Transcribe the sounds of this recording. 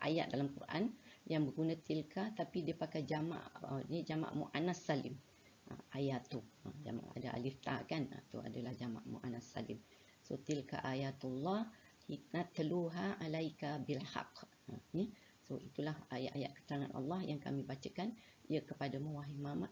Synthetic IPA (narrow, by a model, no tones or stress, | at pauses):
ʔa̰ja̰ʔ̚dalamkṵrʔa̰njaŋbəɡunãt̪ilkat̪apidiəpakajd͡ʒama̰ʔənid͡ʒama̰ʔmṵʔanasːalḭm | ʔa̰ʔajat̪ua̰d͡ʒa̰ma̰ʔa̰daʔa̰lift̪a̰kana̰t̪ṵa̰dalahd͡ʒama̰ʔmṵʔanasːa̰lim | sot̪ilka̰ʔajat̪ulːɑh | hit̪̚nat̪ːəluɦaʔalajkabilha̰q | ani | soʔit̪ulahajaʔaja̰ʔkə̥t̪əɾaŋanɑ̰lːɑhjaŋka̰mĩbat͡ʃəkan | ijəkəpadamuwaɦimamaʔ